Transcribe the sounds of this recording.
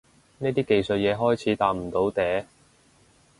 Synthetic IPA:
neː˥t̪iː˥ke˨˧jsɵ˨t̚jɛː˨˧ɦɔː˥jt͡sʰiː˨˥t̪aː˧p̚m̩˨˩t̪o˨˧˥wt̪ɛː˨˧˥

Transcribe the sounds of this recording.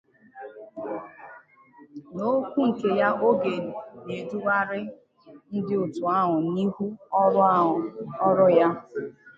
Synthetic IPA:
no˦kʷu˦ŋ̩˨ke˨ja˦ʔo˦ɡe˨ne˨du˦wa˦ɾɪ˦ | n̩˦dɪ˦ʊ˨tʊ˨a˦ɦʊ˨ni˦ɦu˦ɔ˦ɾɔ˦ɾʊ˦ja˦

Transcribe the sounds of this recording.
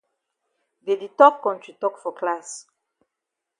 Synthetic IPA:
de˨di˨tɔ˦p̚kɔ̃ntɹi˨tɔ˦kfɔ˨klas

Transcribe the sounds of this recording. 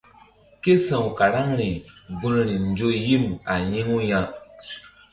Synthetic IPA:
ke˦sã˨wka˨ɾa˦ŋɾi˨bu˦nɾi˨n˨˦d͡ʒo˦ji˦ma˨ji˦ŋu˦ja˦

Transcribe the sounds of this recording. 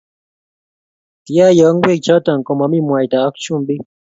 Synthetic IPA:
ti˨ja˦jɔ˨˦ŋɡwe˦k̚t͡ʃɔ˦ta˨ŋkɔ˧ma˨˦mi˦˨mwa˨jta˨a˦kt͡ʃu˦mbi˦

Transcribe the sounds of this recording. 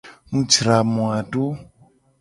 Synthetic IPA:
mu˦t͡ʃi˨ɾa˨mwa˨tu˦

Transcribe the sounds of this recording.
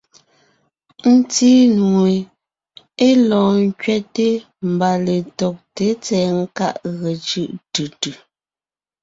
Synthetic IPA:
n̩˦tiː˦nu˨e˨ | e˦lɔ̃ː˨ŋ˦kɥɛ˦te˦ | m̩˨ba˨le˨tɔ˨k̚te˨˦t͡sɛː˨˦ŋ̩˦ka˦ʔɣə˨t͡ʃɯ˦ʔtɯ˨tʉ˨

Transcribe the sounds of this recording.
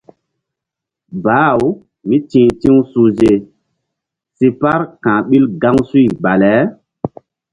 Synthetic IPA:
ba˨˦˨w | mi˦tĩ˨tĩ˦wsu˨ze˨ | si˨pa˦ɾkãː˨ɓi˦lɡa˦ŋsu˦˨ba˨lɛ˨˦

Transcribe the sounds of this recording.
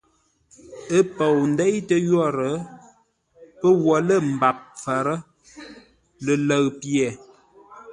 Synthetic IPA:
ə˦pə˨wn̩˦dɛ˦jtə˦jɔ˦˨ɾə˨˦ | pə˦wɔ˨lə˦˨m̩˨ba˨p̚fə˨ɾə˦ | lə˨lə˨ɣpjɛ˨

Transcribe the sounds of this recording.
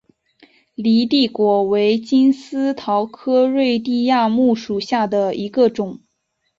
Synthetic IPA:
li˧˥t̪i˥˩kwɔ˧˩we˧˥ɪt͡ɕi˥nsɹ̩˥t̪ʰɑ˧˥ʊkʰɤ˥ɻwe˥˧ɪt̪i˥˧ja˥˧mu˥˩ʂu˨˩ɕja˥˩d̪ə˩i˧˥ɡə˧ʈ͡ʂʊ˨˩˦ŋ

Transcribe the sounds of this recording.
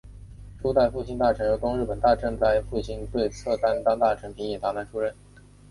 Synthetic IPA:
ʈ͡ʂu˥t̪a˥˧ɪfu˥˩ɕi˥ŋt̪a˥˩ʈ͡ʂʰɤ˧˥ŋɤ˧˥t̪ʊ˥ŋɻɻ̩˥˩pə˨˩nt̪a˥˧ʈ͡ʂə˥˧ŋt͡sa˥˧ɪfu˥˩ɕi˥ŋt̪we˥˧ɪt͡sʰɤ˥˩t̪a˥nt̪ɑ˥ŋt̪a˥˩ʈ͡ʂʰɤ˧˥ŋpʰi˧˥njɛ˨˩t̪a˧˥na˧˥nʈ͡ʂʰu˥ɻə˥˩n

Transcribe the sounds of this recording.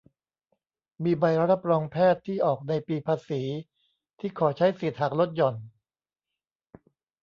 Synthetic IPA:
miː˧ba˧jɾa˦˥ɾa˦˥p̚ɾɔː˧ŋpʰɛː˥˩t̪ʰːiː˥˩ʔɔː˨˩k̚na˧jpiː˧pʰaː˧siː˩˦ | t̪ʰiː˥˩kʰɔː˩˦t͡ɕʰa˦˥jsi˨˩t̪̚ha˨˩k̚ɾo˦˥t̪̚jɔ˨˩n

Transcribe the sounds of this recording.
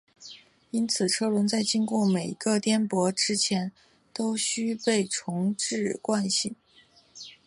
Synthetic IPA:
i˥nt͡sʰɹ̩˨˩ʈ͡ʂʰɤ˥lwə˧˥nt͡sa˥˩ɪt͡ɕi˥nkwɔ˥˩me˨˩ɪ˧˥ɡə˥˧t̪jɛ˥npwɔ˧˥ʈ͡ʂɻ̩˥t͡ɕʰjɛ˧˥n | t̪o˥ʊɕy˥pe˥˩ɪʈ͡ʂʰʊ˧˥ŋʈ͡ʂɻ̩˥˩kwa˥˧nɕi˥˩

